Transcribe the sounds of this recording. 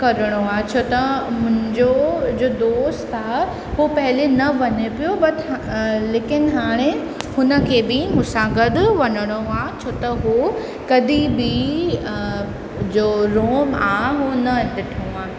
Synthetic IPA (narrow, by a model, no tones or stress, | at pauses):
kɐɾəɽ̃oaːɦt͡ɕʰoːt̪ɐmʊ̃ɦɪ̃ɲd͡ʑod͡ʑoːd̪oːst̪aː | ɦopɐɦɪlenɐʋɐɲepijobɐt̪leːkɪnɦaːɽ̃e | hʊnə̆kʰeːbɪmʊsaːɡəd̪ʋɐɲəɽ̃oaːt͡ɕʰoːt̪ɐɦo | kɐd̪ʱibɪ | d͡ʑoːɾoːmaːɦeɦonɐʈɪʈʰoaːɦ